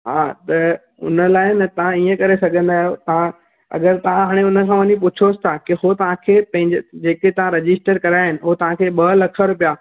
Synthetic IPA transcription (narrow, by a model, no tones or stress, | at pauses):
ɦaːt̪ɐ | ʊ̰nə̆laːɪnɐt̪ɐʋ̤ãiːə̃kɐɾesɐɡʱə̃nd̪aːɦijot̪ɐã | ɐ̰ɠəɾt̪ɐʋ̤ãɦaːɽ̃eʊnə̆kʰãːʋɐɲip̬ʊt͡ɕʰosɪ̥t̪ʰakɪɦot̪ɐʋ̤ãkʰeːpɐ̃ɦɪ̃ɲd͡ʑd͡ʑeːket̪ɐʋ̤ãɾɐd͡ʑɪsʈəɾkɐɾaːɦɪnɪ̆ɦot̪ɐʋ̤ãkʰeːɓɐlɐkʰəɾʊpijaː